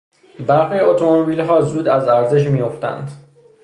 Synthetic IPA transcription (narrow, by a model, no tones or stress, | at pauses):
bæɾxiːot̪ʰomobiːlɦɒːzuːd̪æzæɾze̞ʃ̬mijoft̪æ̰nd̪